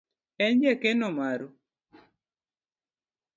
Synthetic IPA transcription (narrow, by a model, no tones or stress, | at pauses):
ɛnd͡ʒɛkɛnomaɾo